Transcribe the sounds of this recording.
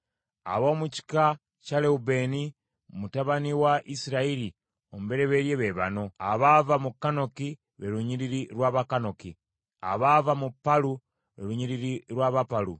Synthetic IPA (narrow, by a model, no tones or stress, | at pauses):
a̰βo̞ːmuci̥ka | caleube̞ni | mutaβaniwaʔisiɾaiɾi | o̞muβe̞ɾeβe̞ɾjeβeβa̰no̞aβavamukːano̞ki | βeɾuɲiɾiɾiɾwaːβakano̞ki | a̰βavamupːalu | βḛɾuɲiɾiɾiɾwaːβapalu